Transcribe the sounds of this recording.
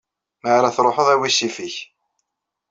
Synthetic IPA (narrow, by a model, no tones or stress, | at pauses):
maʕɾaθɾˤoħəðˤæwisifiç